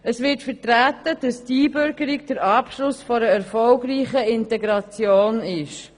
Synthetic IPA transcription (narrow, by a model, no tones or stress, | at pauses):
əsʋɪtfətɾæt̪əd̥ɑstiːbʏɾɡəɾiɡ̚d̥əɾɑːpʃlʊsfɔɾəɛɾfɔlɡɾiːχəɪntɛɡɾɑt͡sjoːnɪʃ